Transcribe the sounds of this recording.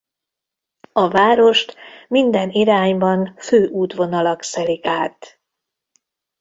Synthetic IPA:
ɒvaːɾo̞ʃt̪mind̪ɛniɾaːɲbɒnføːʔuːt̪ʋo̞nɒlɒksɛlikaːt̪

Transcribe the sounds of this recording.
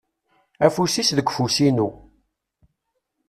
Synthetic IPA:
æfusisðəɡʷfusinu

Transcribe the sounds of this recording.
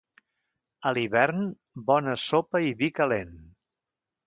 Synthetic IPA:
əliβɛɾn | bɔnəsopəiβikəlen

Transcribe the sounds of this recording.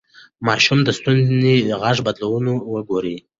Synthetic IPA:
mɑʃumd̪əst̪unziɣɑʐbad̪lawənowəɡoɾi

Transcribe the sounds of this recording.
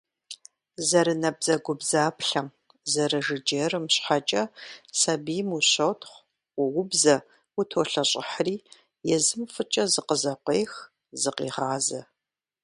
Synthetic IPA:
zɐɾɨnɐbzɐɡʷʊbzaːpɬɐm | zɐrɐʒɨd͡ʒeːrɨmɕħat͡ʃʼɐsɐbijmuɕɐwtʰχʷ | wʊwʊbzɐ | wʊtʰoːɬɐɕʼɪħriː | jɛzɨmfɨt͡ʃʼɐzɨqəzɐqʷeːx | zɨqḭːʁaːzɐ

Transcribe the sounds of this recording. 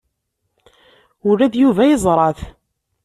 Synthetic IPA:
ʊɾæðjuvæjəzˤɾˤɑθ

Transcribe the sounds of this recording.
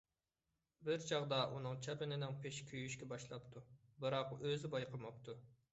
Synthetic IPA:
bɪɾt͡ʃʰɑʁd̪ɑʔunɨŋt͡ʃʰɛpɪnɪnɪŋpʰeʃkʲʰøjyʃkʲɛbɑʃlˠɑpt̪ʰubɨɾɑqøzɪbɑjqʰəmɑp̚t̪ʰu

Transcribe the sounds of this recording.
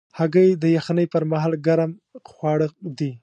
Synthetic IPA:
haɡəjd̪əjaxnəjpəɾmaɦɑlɡaɾamxwɑɽəd̪i

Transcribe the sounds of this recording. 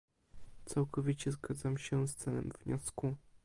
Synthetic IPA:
t̪sawkʰɔvʲit͡ɕɛzɡad̪zamɕɛst̪sɛlɛ̰mv̥ɲɔsku

